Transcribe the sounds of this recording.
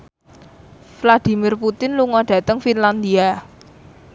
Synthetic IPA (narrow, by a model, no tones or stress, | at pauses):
flad̪̥i̤mirput̪ɪnluŋɔɖ̥ä̤t̪əŋfinland̪ia